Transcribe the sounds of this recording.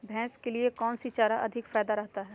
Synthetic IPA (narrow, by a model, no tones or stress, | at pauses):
bʱɛ̃ːskeliekɔːnsit͡ʃaːɾaʔɐd̪ʱɪkfaːd̪aɾɛɦt̪aɦɛː